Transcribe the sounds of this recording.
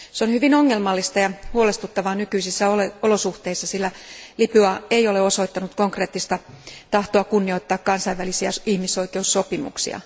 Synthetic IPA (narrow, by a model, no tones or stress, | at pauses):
seonhyʋinoŋːelmɑlːist̪ɑjɑhuolest̪ut̪ːɑʋɑːnykyisisːæoleolosuht̪eisːɑsilːælipyɑeijoleoso̞it̪ːɑnut̪koŋkre̞ːt̪ːist̪ɑ | t̪ɑht̪oɑkunːio̞it̪ːɑːkkɑnsɑiʋʋælisiæihmisoikeusːopimṵksḭɑ̰